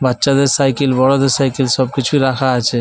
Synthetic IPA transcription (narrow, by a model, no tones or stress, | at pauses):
batːʃad̪eɾsajkelbɔɽod̪eɾsajkelʃɔb̚kit͡ɕʰuiɾakʰaat͡ɕʰe